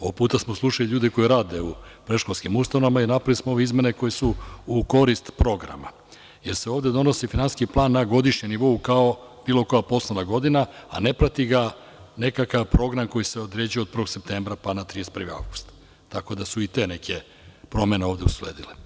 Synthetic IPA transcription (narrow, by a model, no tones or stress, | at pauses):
oopuːt̪asmoslˠuʃaliʎuːd̪eko̞jiɾaːd̪e̞upɾe̞ʃkolʲskimust̪anomainapɾalismooʋe̞izme̞neko̞jesuuko̞ɾist̪pɾo̞ɡɾa̰ma̰ | je̞ɾse̞o̞ːʋd̪ed̪o̞no̞sifinansiskiplˠaːnːaɡo̞d̪iʃɲeniʋo̞ukao̞ | b̥iːlˠo̞ko̞japo̞slˠenaɡo̞d̪inaa̰ne̞pɾat̪iɡa | ne̞kakaʋpɾo̞ɡɾamko̞jise̞od̪ɾeːd͡ʑijod̪̚pɾʋo̞ɡse̞p̚t̪e̞ːmbɾapanat̪ɾijest̪ɾʋia̰vɡu̥st̪ | t̪ako̞d̪asuit̪e̞ne̞kʰe̞ | pɾo̞me̞ne̞o̞ːvd̪euslḛːd̪ile